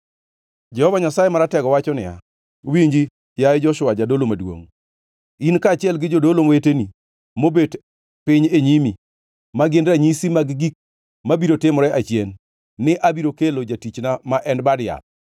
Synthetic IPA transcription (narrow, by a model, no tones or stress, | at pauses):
d͡ʒɛhɔvaɲasajemaɾatɛɡɔwat͡ʃɔnɪ̰ja̰ | wiɲd͡ʒi | jajed͡ʒɔʃʊad͡ʒadolomadwo̰ŋ | inkaːt͡ʃɪɛlɡɪd͡ʒodolomoweteni | mobed | pɪɲeɲimi | maɡɪndɾaɲisimaɡɡik̚ | mabiɾotɪmɾɛʔat͡ʃjɛnː | ɪʔabiɾokelod͡ʒatit͡ʃnamaʔɛnbadɪja̰t̚